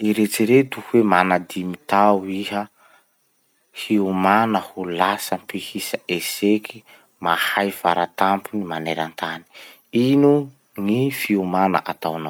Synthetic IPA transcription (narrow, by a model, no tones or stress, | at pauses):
iɾet͡siɾet̪uhuwemanad̪imit̪awiɦə | hiumanəhulasəmpihisəʔesekʰi | mahajfaɾat̪ampunimaneɾant̪ani̥ | inu | ŋifiumanə̰ʔat̪awnaw